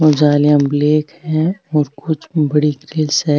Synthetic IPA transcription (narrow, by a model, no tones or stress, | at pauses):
od͡ʒaːlijãbleːkhɛ̃ɔːɾkʊt͡ʃʰbɐɽikɾɪlsɛ